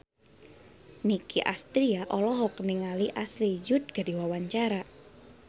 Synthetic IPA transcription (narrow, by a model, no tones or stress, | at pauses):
nikiʔa̰st̪ɾiaʔɔlɔɦɔk̚niŋaliʔaslid͡ʒʊt̪̚ɡ̥a̤diwawaɲt͡ʃaɾa